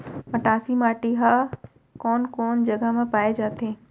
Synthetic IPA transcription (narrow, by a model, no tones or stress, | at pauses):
mɐʈaːsimaːʈiɦaː | kɔːnkɔːnd͡ʑɐɡamãpaːed͡ʒaːt̪ʰeː